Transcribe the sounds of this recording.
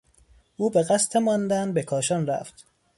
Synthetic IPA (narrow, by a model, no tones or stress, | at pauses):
ʔuːbeɣæst̪ʰemɒnd̪ænbekʰɒːʃɒːnræ̰ft̪